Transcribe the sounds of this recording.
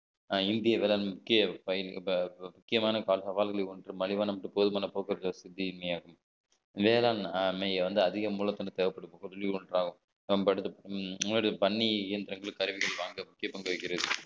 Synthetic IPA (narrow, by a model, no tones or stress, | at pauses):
ɪnd̪ɪjɐʋeːlaːlmʊkːɪjɐpɐjɪlmʊkːɪjɐmaːnɐkaːlsɐʋaːlɣɐɭɪuɳʈrɯmɐlɪʋaːnɐmɐʈːɯpoːðɯmaːnɐpoːkɪɾɐðosɪd̪ːiɪnmɐjaːɣɯm | ʋeːlaːnmɛjʋɐnd̪ɯɐðɪɣɐmuːlɐt̪ːɐnɐt̪ɛːʋɐpːɐɽɯkːkɔðɯlɪuɳʈɾaːɣɯm | pɐɽɯt̪ːɐɐɽɐpɐɳːiɛnd̪ɪɾɐŋɡɐɭkɐɾɯʋɪɣɐɭʋaːŋɡɐmʊkːɪjɐpɐŋɡɐʋɐɪkːɪɾɐðɯ